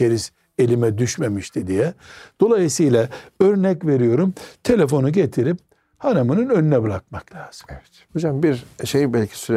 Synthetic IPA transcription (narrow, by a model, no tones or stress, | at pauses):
eɾis | e̞lʲimɛd̪yʃmemiʃt̪ʰid̪ijɛd̪̥o̞lˠajɯsɯjlˠaøɾnɛcve̞ɾijo̞ɾumt̪ʰe̞lʲefo̞nuɟet̪ʰiɾip̚ | hanamɯnɯnø̞nynɛbɯɾak̚maklʲaːz̥ɯ̥ | hod͡ʒambiɾʃejibɛlʲcʰi̥syɾ